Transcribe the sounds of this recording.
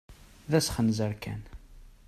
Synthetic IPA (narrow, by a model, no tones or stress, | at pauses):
ðæsχənzəɾkæ̰n